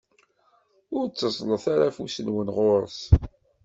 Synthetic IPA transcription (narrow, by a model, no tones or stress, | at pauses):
ʊɾt͡sːəsˤləθaɾafusənwənʁoɾˤs